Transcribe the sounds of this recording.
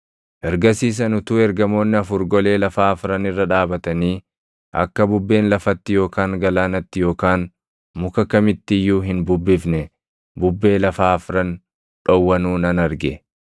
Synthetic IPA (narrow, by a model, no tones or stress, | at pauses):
ʔɛɾɡɐsiːs̬ɐnʊt̪uːɛɾɡɐmo̞ːnːɪɐfʊɾɡɔle̞ːlɐfaːɐfʊɾɐnɪrːɐᶑaːbɐt̪ɐniː | ʔɐ̰kːɐbʊbːe̞ːnlɐfɐt̪ːɪjo̞ːkaːŋɡɐlaːnɐt̪ːɪjo̞ːkaːn | mʊkɐkɐmɪt̪ːɪjːuːɦɪnbʊbːɪfnɛ | bʊbːe̞ːlɐfaːɐfʊɾɐn | ᶑɔwːɐnuːnɐnɐɾɡɛ